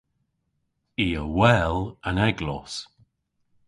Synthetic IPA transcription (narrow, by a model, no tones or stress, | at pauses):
iːəwɛlənɛɡlɔs